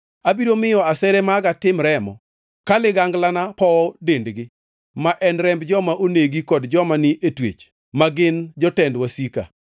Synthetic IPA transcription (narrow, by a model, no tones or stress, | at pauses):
abiɾomɪjɔasɛɾɛmaɡatɪmɾɛmɔ̰ | kalɪɡaŋɡlanapɔdendɡɪ | maʔɛnɾɛmbd͡ʒɔmaʔoneɡikɔdd͡ʒɔmanɪʔetwḛt͡ʃ | maɡɪnd͡ʒɔtɛndwasika̰